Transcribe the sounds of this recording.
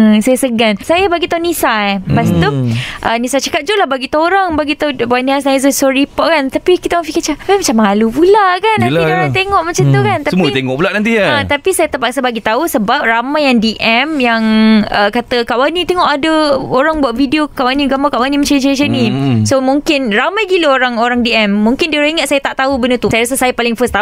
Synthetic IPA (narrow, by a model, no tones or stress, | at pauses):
əsajasəɡansajabaɡit̪aunisajpast̪uʔənisajt͡ʃəkat̪̚d͡ʒulahbaɡit̪aoɾaŋbaɡit̪auwanĩasnajzəsɔɾipɔʔkant̪apikit̪əafikət͡ʃaimat͡ʃamːalupulaʔkanːanioɾaaŋt̪eŋɔʔmat͡ʃat̪ukant̪asəmuit̪eŋɔʔpulaʔnãnt̪iaat̪apisajat̪apaksabaɡit̪ausəbap̚ɾamajaŋdiʔɛmjaŋəkat̪əkaʔwanĩt̪eŋɔʔadəoɾaŋbuaʔvidiokaʔwaniɡambakaʔwanĩmat͡ʃamt͡ʃajʃanĩsomũŋkɪnɾamajɡiləoɾaŋoɾaŋdiɛmːũŋkɪnd̪ioɾaŋiŋət̪̚sajat̪aʔt̪aubənət̪usajaɾasəsajapalɪŋfəst̪a